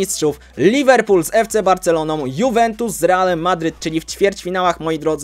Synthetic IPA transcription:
istʂuf | lʲivɛɾpulzɛft̪sɛbaɾt̪sɛlɔnɔ̃w̃juvɛnt̪usːɾɛalɛmːad̪ɾɘt̪̚t͡ʂɘlʲift͡ɕfʲjɛɾt͡ɕfʲinawaxmɔjid̪ɾɔd̪z

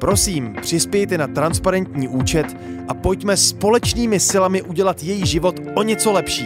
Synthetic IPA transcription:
pɾo̞siːmpr̝̥ɪspjɛjt̪ɛnat̪ɾanspaɾɛnt̪ɲiːʔuːt͡ʃɛt̪ | ʔapo̞jcmɛspo̞lɛt͡ʃniːmɪsɪlamɪʔuɟɛlat̪jɛjiʒɪvo̞t̪ʔo̞ɲɛt͡so̞lɛpʃiː

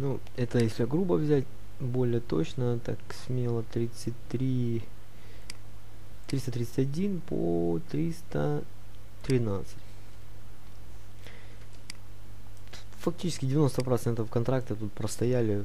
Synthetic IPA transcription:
nu | ɛt̪əjesʲlʲɪɡɾubəvzʲætʲ | bo̞lʲɪjət̪o̞̰t͡ɕnət̪a̰ksʲmʲelˠət̪ɾʲit̪sɨtʲt̪ɾʲi | t̪ɾʲist̪ət̪ɾʲit̪sɨtʲɐdʲinpʰo̰t̪ɾʲist̪ə | t̪ɾʲɪnat̪sɨtʲ | fɐk̚tʲit͡ɕɪ̥skʲɪdʲɪvʲɪno̞st̪əpɾɐt̪sɛnt̪əfkɐnt̪ɾak̚t̪ət̪ut̪̚pɾəst̪ɐjælʲɪ

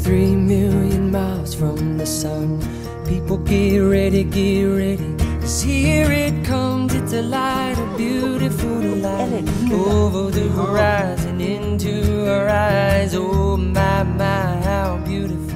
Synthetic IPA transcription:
θɹimɪlˠjɨ̃nmaɪlˠz̥fɹʌ̃mðɨsʌ̃n | pʰipl̩ˠɡɛɹɛɾiɡɛɹɛɾi | ʌz̥hiɹɪt̚kʰʌ̃mzɨ̃ntɨlaɪɪɾʌvbjʉ | ɾɨfl̩ˠ | laɪ | ovəðɨə˞aɪzɨ̃nɪ̃ntʉə˞aɪzoəmaɪmaɪha | bjʉɾɨf̩

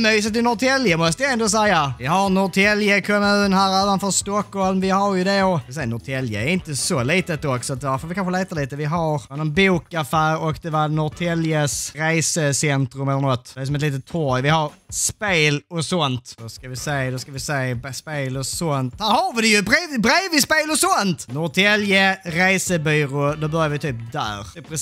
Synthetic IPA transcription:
myːs̬ət̪ɪnɔt̪ʰɛljəmɔst̪əjaɛnd̪oːs̬ɛjːavɪɦaɾnɔʈ̪ʰɛljəkʰɔmʉ̟ːnɦæːɾøːvanfœːɾst̪ɔkhɔlmvɪhaɾjɵd̪ɛɔsɛnɔt̪ʰɛljə̰æɾɪnt̪əsɔliːt̪ət̪ɔksɔat̪̚d̪ɛaɾfoɾvɪkʰanɧəleːt̪aliːt̪əvɪɦaɾanɔnbuːkafæːɾɔkd̪ɛvaɾnɔt̪ʰɛljəsɾeɪsəsɛnt̪ɾʉmɛlːəɾnɔt̪ːɛæɾsɔmɛt̪liːt̪ət̪ʰːɔːɾjʋɪhɑɾspeːlɔsɔnt̪d̪ɔskaʋɪseːd̪ɔskaʋɪseːbspeːlɔsɔnt̪̚d̪æːɾhɑɾvɪd̪ɛjɵbɾeːvɪbɾeːvɪspeːlɔsɔnt̪nɔt̪ʰɛljəɾæɪsəbyːɾʊd̪obœɾjaɾʋɪt̪ʰyːpd̪æ̰ːɾpɾɛ

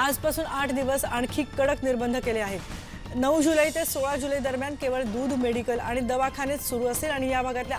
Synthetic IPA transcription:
ad͡zpasuːnaʈʰd̪iʋəsaɳ̃kʰiːkːəɽəkniɾbənd̪ʱəkeleaɦe | nəʋd͡ʑuləit̪esoɭad͡ʑuləid̪əɾmjan̚keʋəɭd̪uːd̪ʱmeɽikəlaɽ̃id̪əʋakʰanet͡ssuɾuːəseːlaɽ̃ijabʱaɡat̪lja

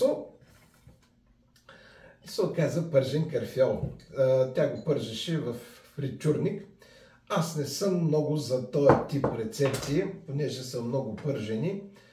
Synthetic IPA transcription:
o | isokazəpəɾʒɛnkɐɾfiɔlˠt̪ʲaɡopɤɾʒɛʃɛvɐfɾit͡ʃuɾnik | asnɛsɤmːnɔɡʊzɐt̪ɔjət̪ipɾɛt̪sɛpsiɛponɛʒɛsəmnɔɡʊpɤɾʒɛni

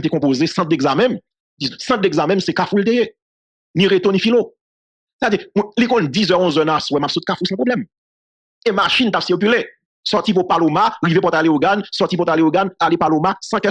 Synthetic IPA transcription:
t̪ekɔ̃pozesɑ̃t̪̚d̪eɡzamɛ̃m | dĩsɑ̃t̪̚d̪eɡzamɛ̃msɛkafult̪eje | nĩʁet̪onĩfilo | se̥t̪avədimlikɔ̃ndizœʁɔ̃zœnaswɛmapsut̪̚kafulsɑ̃pʁoblɛm | emaʃĩnt̪apsiʁk̬yle | sɔʁt̪ip̬upalomaʁivep̬uɔt̪aleoɡansɔtip̬ut̪aleoɡanalepalomasɑ̃kɛ

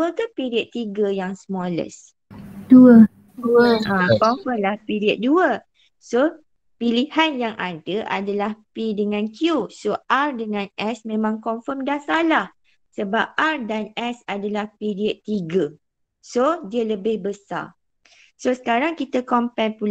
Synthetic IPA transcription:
əkapiɾiəd̪̚t̪iɡəjaŋsmɔlə̰s | duə | duəãkɔmfəmlahpiɾiət̪̚duə | so | pilihanjaŋʔadəʔa̰dalahpidəŋãnkjusoʔardəŋãnɛsmẽmãŋkɔɱfəmdahsalah | səbap̚ardanɛsadalahpiɾiəd̪̚t̪iɡə | sodiələbɪhbəsa̰ | sosə̥kaɾaŋkit̪əkɔmpanpul

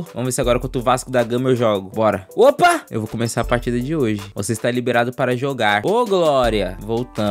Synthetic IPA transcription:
vɐ̃mʊveseaɡɔɾɐkwɐ̃t̪ʊʊvaskʊd̪aɡɐ̃mɐewʒɔɡʊbɔɾɐopɐḛwvokomesaɾɐpaɾt͡ʃid̪ɐd͡ʒɪoʒɪvoseist̪alibeɾad̪ʊpaɾɐʒoɡaɾoɡlɔɾiɐvowt̪ɐ̃

